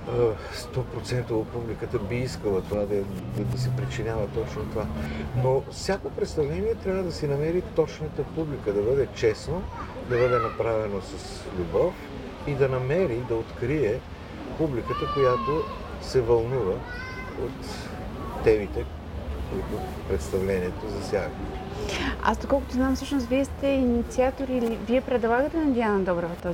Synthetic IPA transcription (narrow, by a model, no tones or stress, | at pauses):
st̪ɔpɾot̪sɛnt̪əːt̪̚publikət̪əbiiskəlˠət̪ovad̪ɐd̪ɐd̪ɐsɛpɾit͡ʃinʲavət̪ɔt͡ʃnot̪ovanofsʲjakopɾɛt̪st̪ɐvlɛniɛt̪ɾʲabvəd̪ɐsɛnɐmɛɾit̪ɔt͡ʃnət̪əpublikəd̪ɐbɤd̪ɛt͡ʃɛsno | d̪ɐbɤd̪ɛnɐpɾavɛnosəs | lʲubɔf | id̪ɐnɐmɛɾid̪ɐot̪kɾiɛ | publikət̪əkojat̪o | sɛvɐlˠnuvə | ot̪ː | ɛbit̪ɛ | koit̪opɾɛt̪st̪ɐvlɛniɛt̪ozɐsʲjak | a̰sd̪okɔlˠkʊt̪oznamfsəʃnos̬viɛst̪ɛinit̪siat̪oɾiːliviɛpɾɛd̪lˠaɡət̪ɛnɐd̪ianɐd̪ɔbɾɐvɐt̪ə